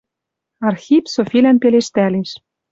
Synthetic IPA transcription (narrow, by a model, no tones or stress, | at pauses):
ɑrxipsofilænpeleʃt̪æleʃ